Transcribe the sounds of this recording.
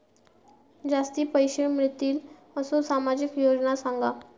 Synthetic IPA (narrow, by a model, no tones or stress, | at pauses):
d͡zast̪iːpəjɕeɳmɾit̪ːiːl | əsosamad͡ʑikjod͡ʑnasãŋɡa